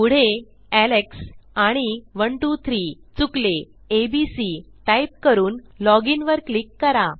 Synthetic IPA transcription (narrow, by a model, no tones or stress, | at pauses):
puɽ̤e | æleksaɽ̃iʋəɳʈut̪ʰɾiːt͡sukleː | bisiʈajp̚kəɾuːnlɔɡinʋəɾklikːəɾa